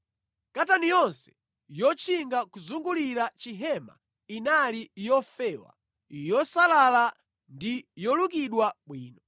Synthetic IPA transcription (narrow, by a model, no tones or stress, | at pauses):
katanijɔnsɛ̥ | jɔt͡ʃʰiŋɡakuzuŋɡuliɾat͡ʃiɦɛma̰ | inalijɔfɛːwa̰ | jɔsalala | ndijɔlukiɗwaɓwiːnɔ